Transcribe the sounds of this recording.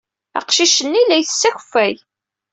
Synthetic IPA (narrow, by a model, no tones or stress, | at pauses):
ɑ̰qʃiʃənːilæjθə̥sːæç̥fːæj